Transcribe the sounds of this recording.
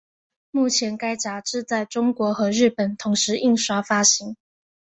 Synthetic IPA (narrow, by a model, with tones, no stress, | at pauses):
mu˥˩t͡ɕʰjɛ˨˥nka˥ɪt͡ɕa˨˥ʈ͡ʂɻ̩˥˧t͡sa˥˩ɪʈ͡ʂʊ˥ŋkwɔ˧˥xɤ˧˥ɻɻ̩˥˩pə˨˩nt̪ʰʊ˧˥ŋʂɻ̩˨˧˥i˥˩ŋʂwa˥fa˥ɕi˧˥ŋ